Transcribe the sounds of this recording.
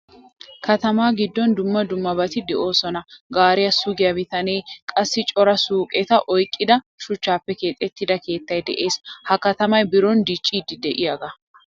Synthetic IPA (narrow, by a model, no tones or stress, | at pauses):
kɐt̪ɐmaːɡɪd̪ːɔnd̪ʊmːɐd̪ʊmːɐbɐt̪ɪd̪ɛʔo̞ːsɔnɐɡaːɾɪjɐsʊɡɪjɐbɪt̪ɐnejkʼɐsːɪt͡ʃʼɔɾɐsuːkʼɛt̪ɐʔɔjkʼːɪd̪ɐ | ʃʊt͡ʃːaːpːɛke̞ːt̪ʼːɛt̪ːɪd̪ɐke̞ːt̪ːɐjd̪ɛ̰ʔe̞ːshɐkɐt̪ɐmɐjbɪɾɔnd̪it͡ʃʼːiːd̪ːɪd̪ɛʔɪjaːɡɐ